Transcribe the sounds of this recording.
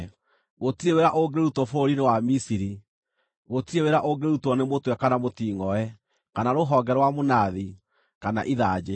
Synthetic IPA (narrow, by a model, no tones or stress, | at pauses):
ɣotiɾeweɾaʔoɡeeɾutwɔfoɾinewamisiɾi | ɣotiɾeweɾaʔoɡeeɾutwɔnemotwɛkanamotiːŋɔɛ | kanaɾoɦɔːɡɛɾwamonaði | kana̰ʔiðad͡ʒe